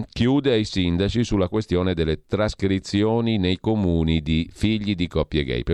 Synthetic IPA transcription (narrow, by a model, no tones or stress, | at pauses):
kjuːd̪eajsind̪at͡ʃisulːakwest̪joːned̪elːet̪ɾaskɾit̪sːjoːninejkomuːnid̪ifiʎːid̪ikɔpːjeɡɛ̰jp